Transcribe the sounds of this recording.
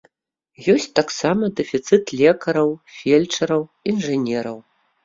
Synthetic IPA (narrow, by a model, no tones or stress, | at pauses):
jɔsʲt͡sʲt̪aksamɐd̪ɨfʲit̪sɨt̪lʲɛkɐɾɐwfʲɛlʲt͡ʂɐɾɐwinʐɨnʲɛɾɐw